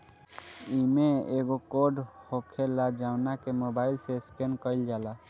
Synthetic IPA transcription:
imeeɡokoɖhokʰelad͡ʒaʊnakemobailseskenkəɪld͡ʒala

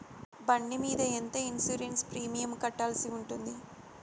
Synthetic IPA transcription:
bɐɳɖimiːd̪ɐent̪ɐinsuːɾenspɾiːmijɐmkɐʈːaːlsiuɳʈund̪i

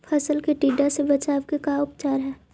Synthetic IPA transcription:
pʰəsəlkeʈiːɖasebət͡ʃaːʋkekaʊpt͡ʃaːɾɦɛː

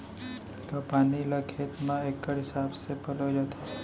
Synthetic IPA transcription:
t̪opaniləkʰet̪mãekːəɽɦɪsabsepəlod͡ʒət̪ʰo

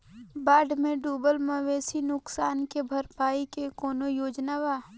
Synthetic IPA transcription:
baːɖmẽɖuːbəlmɐʋeːsinʊksaːnkebʱɐɾpaːikekɔːnojoːd͡ʒnaʋaː

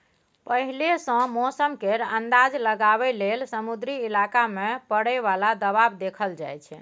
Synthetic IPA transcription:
pəɦilesə̃mosəmkeɾənd̪ad͡ʒləɡaβɛlelsəmud̪ɾiːlakamepəɽɛβalad̪əβabd̪ekʰəld͡ʒa̰jt͡ʃʰɛ

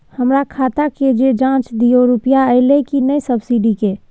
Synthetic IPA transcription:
həmɾakʰaːt̪aked͡ʒed͡ʒãt͡ʃd̪ijoɾupijaəɪlekinəjsəbsiɖike

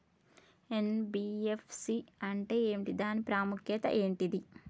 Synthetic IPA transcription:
enbiːefʰsiɐɳʈe̞ːeːmʈid̪aːnipɾaːmukjɐt̪ɐ̰ʔe̞ːɳʈid̪i

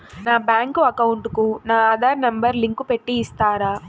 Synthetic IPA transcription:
naːbjaːŋkuɐkɐwuɳʈukunaːaːd̪aːɾnɐmbɐɾliŋkupeʈːiːst̪aːɾaː

